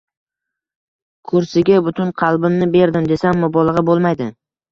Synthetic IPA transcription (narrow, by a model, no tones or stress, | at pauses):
kʰʊɾsɪɡʲabʊt̪ʰʊnqʰɑlˠbɪmnɪbe̞ɾd̪ɪmd̪e̞samːɪbɒlˠɑʁɑbolˠmajd̪ɪ